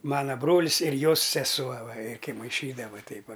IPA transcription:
ˈmɑːnɐ ˈbroːlʲɪs ɪr ˈjoːs sʲɛˈsuɔ ˈʋɐ ɪr kɐɪ mɐɪˈʃʲiːdɐʋɐ ˈtʲɛɪp ˈʋɐ

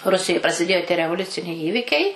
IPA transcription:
ˈrʊsʲɪjoːj prɐsʲɪˈdʲeːjoː tʲiɛ rʲɛʋoːˈlʲʊt͡sʲɪnʲɛɪ ˈiːʋʲɪkʲɛɪ

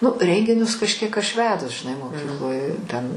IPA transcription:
ˈnʊ ˈrʲɛŋʲɡʲɪnʲʊs kɐʃʲˈkʲiɛk ɐʃ ˈʋʲæːdʊs ʒʲɪˈnɐɪ moːˈkʲiːklˠoːj tʲɛn

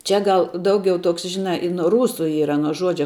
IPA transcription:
ˈt͡ʃʲɛ ˈɡɐlˠ ˈdɐʊɡʲɛʊ ˈtoːks ˈʒʲɪnɑː ɪ nuɔ ˈruːsʊ ˈiːrɐ nuɔ ˈʒuɔd͡ʒʲɛ

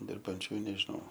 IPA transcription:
dʲɪrbɐnʲˈt͡ʃʲuː ɪ nʲɛʒʲɪˈnɐʊ

